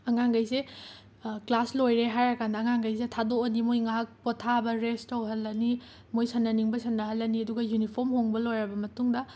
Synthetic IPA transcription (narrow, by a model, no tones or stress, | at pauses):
ɐŋaŋɡɐjse | klaslojɾeɦajɐkʰandɐːŋaŋɡɐjs̬etʰadoːnimojŋaɦɐk̚potʰːabɐɾestowɦɐlːɐni | mojsɐnːɐniŋbɐsɐnːɐɦɐlːɐniɐduɡɐjunipʰoɾmɦoŋbɐlojɾɐbɐmɐtuŋdɐ